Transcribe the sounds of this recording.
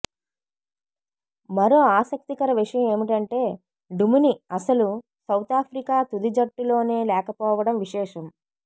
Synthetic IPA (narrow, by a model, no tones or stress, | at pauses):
mɐɾoːaːsɐk̚t̪ikɐɾɐʋiʂɐjɐme̞ːmiʈɐɳʈe̞ː | ɖumuniɐsɐlu | sɐwt̪aːpʰɾikaːt̪ud̪id͡ʒɐʈːulo̞ːne̞ːlɛːkɐpɔːʋɐɽɐmʋiʂɛːʂɐm